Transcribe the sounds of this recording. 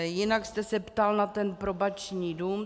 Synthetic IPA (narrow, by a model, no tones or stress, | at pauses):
jɪnakst̪ɛsɛpt̪alnat̪ɛnpɾobat͡ʃɲiːduːm